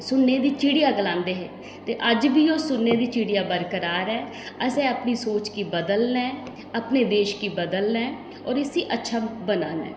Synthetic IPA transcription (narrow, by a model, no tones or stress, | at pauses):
sʊnːeːd̪iːt͡ʃiɽijaːɡəlãːnd̪eːɦḛː | t̪eːʔəd͡ʒbiːoːsʊnːeːd̪iːt͡ʃiːɽijaːbəɾkəɾaːɾɛː | əsɛ̃ːəpniːsoːt͡ʃkiːbəd̪əlnɛ̃ː | əpneːd̪eːʃkiːbəd̪əlnɛ̃ː | ɔːɾɪsiːʔətːʃʰaːbənaːnɛ̰̃ː